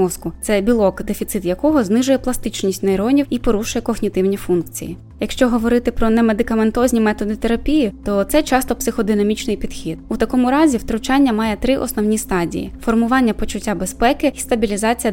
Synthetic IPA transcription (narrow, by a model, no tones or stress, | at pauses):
ɔskʊt̪sɛbʲilˠɔkd̪efʲit̪sɪt̪jɐkɔɦɔznɪʒʊjɛplˠɐst̪ɪt͡ʃnʲisʲtʲnɐjɾɔnʲiwipɔɾuʃʊjɛkɔɣnʲit̪ɪwnʲifunkt͡sʲḭjḭ | jɐkʃt͡ʃɔɦɔʋɔɾɪt̪ɪpɾɔnɛme̞d̪ɪkɐment̪ɔzʲnʲimɛt̪ɔd̪ɪt̪eɾɐpʲijit̪ɔt̪sɛt͡ʃɑst̪ɔpsɪxɔd̪ɪnɐmʲit͡ʃnɪjpʲid̪̥xʲid̪̥ut̪ɐkɔmʊɾɑzʲiwt̪ɾʊt͡ʃɑnʲːɐmɑjɛt̪ɾɪʔɔ̰snɔwnʲist̪ɑdʲḭjḭfɔrmʊʋɑnʲːɐpɔt͡ʃʊtʲːabespɛkɪist̪ɐbʲilʲizɑt͡sʲijɐ